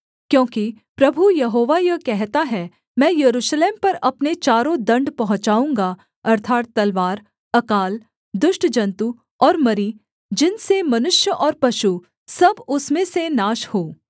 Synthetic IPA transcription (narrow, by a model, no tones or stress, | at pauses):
kjõːki | pɾɐbʱujɐɦoːʋajɐkɛɦt̪aɦɛ | mɛ̃ːjɐɾuːʃleːmpɐɾɐpnet͡ʃaːɾõd̪ɐ̃ɳɖpɐɦʊ̃t͡ʃaːũːŋɡa | ɐɾt̪ʰaːt̪ːɐlʋaːɾ | ɐkaːl | d̪ʊʃʈd͡ʒɐ̃nt̪u | ɔːɾmɐɾi | d͡ʒɪnsemɐnʊʃjəʔɔːɾpɐʃu | sɐbʊsmẽsenaːʃhoː